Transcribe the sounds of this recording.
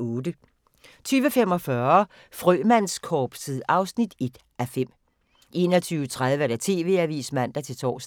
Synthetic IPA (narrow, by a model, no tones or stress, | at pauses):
ɔːd̥ə | t͡sʰyːʋəfem̰ɒ̽fɶɐ | fʁœːmæn̰skʰɒːb̥siðˠɑ̈ʊsnid̥e̝d̥ | ʔæfem̰ | ʔe̝̰ːnɒt͡sʰyːʊət͡sʰʁað̞ˠʋəd̥æt͡sʰe̝̰ːʋe̝̰ːæʋḭːsmæn̰d̥æt͡sʰe̝lt͡sʰɒ̰ːs